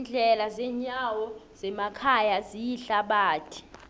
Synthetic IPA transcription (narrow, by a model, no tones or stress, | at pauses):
nd͡ɮʱɛlazɛːɲawɔzɛmakʰajazijiɬaɓaːtʰi̥